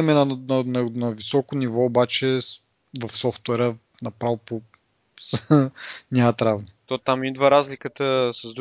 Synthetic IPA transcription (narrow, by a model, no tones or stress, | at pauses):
ɛmɛnɐnnɐnɐvisɔkonivɔːbat͡ʃɛ | vɐfsɔft̪wɛɾə | nɐpɾalˠpo | s | nʲat̪ɾavnit̪ot̪amid̪vəɾazlikət̪əsɐzd̪